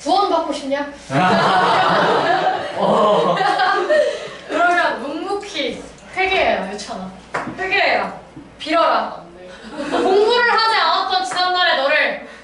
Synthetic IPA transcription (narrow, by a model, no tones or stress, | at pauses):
puʌnbak͈oɕʰimɲa | kɯɾʌmjʌnːuŋmukʰi | ɸwe̞ɡeɦejʌjot͡ɕʰʌna | ɸweɡeɦejʌpiɾʌɾa | koŋmuɾɯɭɦaneanat̚t͈ʌnt͡ɕinamnaɾe̞nʌɾɯɭ